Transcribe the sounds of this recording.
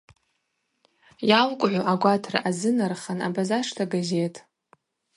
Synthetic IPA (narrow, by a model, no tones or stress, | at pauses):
jalkʷʼʕʷoʔaɡʷatʰra̰ʔazɨnarχana̰bazaʂtʰaɡaze̞tʼ